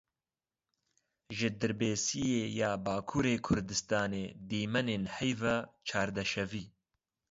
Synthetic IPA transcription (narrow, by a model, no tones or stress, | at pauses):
ʒɪd̪ɨɾbeːsijeːjaːbaːkʰuːɾeːkʰʊɾd̪ɨst̪aːneːd̪iːmɛneːnhɛjvat͡ʃʰaːɾd̪ɛʃɛviː